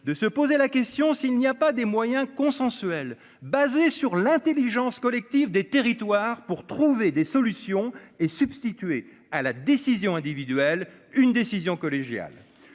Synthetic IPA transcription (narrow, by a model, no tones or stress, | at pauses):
d̪əsəpozelakʲɛst̪jɔ̃silniapad̪emwajɛ̃kɔ̃sɑ̃sɥɛl | bazesyʁlɛ̃t̪eliʒɑ̃skɔlɛk̚t̪ivd̪et̪eʁit̪waʁpuʁt̪χuved̪esɔlysjɔ̃esybst̪it̪ɥe | alad̪esizjɔ̃ɛ̃d̪ivid̪ɥɛl | ynd̪esizjɔ̃kɔleʒja̰l